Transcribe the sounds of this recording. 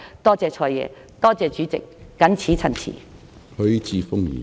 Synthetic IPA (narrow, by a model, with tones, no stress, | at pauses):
t̪ɔː˥t͡sɛː˨t͡ʃʰɔː˧jɛ̰ː˨˧ | t̪ɔː˥t͡sɛː˨˧t͡ʃyː˨˥t͡sɪ˨k̚ːɐ˨˥nt͡sʰiː˨˥t͡sʰɐ˨˩nt͡sʰḭː˨˩ | hɵ˨˧˥ɥt͡siː˨˧fʊ˥ŋjḭː˨˩